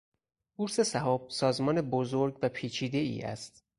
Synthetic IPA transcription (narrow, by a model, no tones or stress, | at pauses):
buɾse̞sæɦɒːb̥̚sɒːzmɒːnebozoɾɡvæpʰiːt͡ʃʰiːd̪e̞ḭːʔæ̰st̪